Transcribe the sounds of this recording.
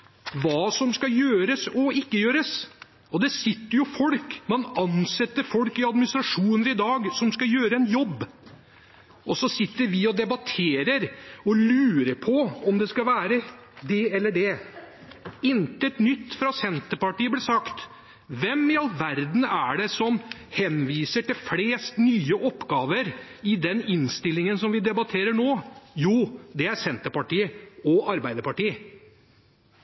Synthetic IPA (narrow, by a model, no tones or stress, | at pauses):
ʋɑːsɔmskɑjøːɾəsɔɪkːəjøːɾəs | ɔd̪ɛsɪt̪ːəɾjʊfɔlkmɑnɑnsɛt̪ːəɾfɔlkɪɑd̪mɪnɪst̪ɾɑʂuːnəɾɪd̪ɑːɡsɔmskɑjøːɾəɛnjɔbː | ʔɔsɔsɪt̪ːəɾʋɪɔd̪ɛbɑt̪ʰeːɾəɾɔlʉːɾəpʰɔɔmd̪ɛskɑʋæːɾəd̪ɛɛlːəɖɛ | ɪnt̪əɛt̪nʏt̪ːfɾɑsɛnt̪əpɑʈiːəblɛsɑkt̪ | ʋɛmɪɑlʋæɾd̪n̩æɖɛsɔmhɛnʋiːsəʈɪlfleːst̪nyːəʔɔpːɡɑːʋəɾɪd̪ɛnɪnst̪ɪlːɪŋənsɔmʋɪd̪ɛbɑt̪ʰeːɾəɳoːjuːd̪ɛæɾsɛnt̪əpɑʈiːəɔɑɾbæɪd̪əpɑʈiː